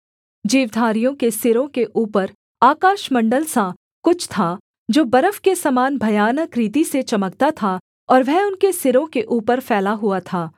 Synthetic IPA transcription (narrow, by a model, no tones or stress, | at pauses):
d͡ʒiːʋd̪ʱaːɾijõkesɪɾõkeʔuːpəɾ | aːkaːʃmɐ̃ɳɖəlsã | kʊt͡ʃʰt̪ʰa | d͡ʒoːbɐɾəfkesɐmaːnbʱɐjaːnəkɾiːt̪iset͡ʃɐməkt̪at̪ʰa | ɔːɾʋɛɦʊnkesɪɾõkeʔuːpəɾfɛːlaɦuat̪ʰaː